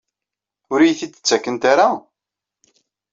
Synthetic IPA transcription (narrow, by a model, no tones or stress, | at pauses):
ʊɾijθiə̥t͡sːækːənt̪aɾa